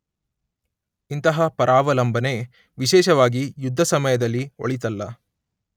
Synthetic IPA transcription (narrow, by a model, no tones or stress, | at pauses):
int̪ɐɦɐpɐɾʔaːʋɐlɐmbʱɐne̞ | ʋiʃɛːʃɐʋaːɡijud̪ʱːɐsɐmɐjɐd̪ɐlːio̰ɭit̪ɐlːɐ